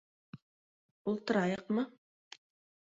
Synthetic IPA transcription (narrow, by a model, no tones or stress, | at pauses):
ulˠt̪ɤ̆ɾɑjɤqmɤ